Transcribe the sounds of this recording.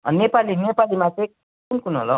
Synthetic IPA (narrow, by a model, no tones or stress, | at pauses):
ʌnepalinepalimat͡sʌj̃ | kunkunɦo̰lʌ